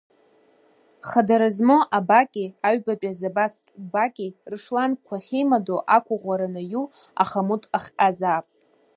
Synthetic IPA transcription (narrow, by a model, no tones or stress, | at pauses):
χadaɾɨzmoʔabakʲʼiaɥbapʲʼazabastʼbakʲʼirɨʂlankʷʰaχʲejmadoʔakʷʰaʁʷaɾanɨjua̰χamutʼaχʲqazaːpʼ